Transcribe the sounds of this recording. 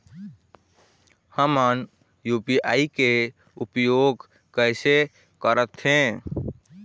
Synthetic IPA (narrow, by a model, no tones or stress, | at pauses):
həmən | jupiʔaike | upjoɡ | kəɪse | kəɾət̪ɦẽ